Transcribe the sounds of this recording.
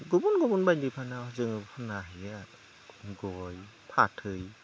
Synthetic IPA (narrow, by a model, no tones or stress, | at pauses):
ɡubunɡɔbunbajndipʰanazɯŋpʰanaɦɯja | ɡɔj | pʰatʰɯj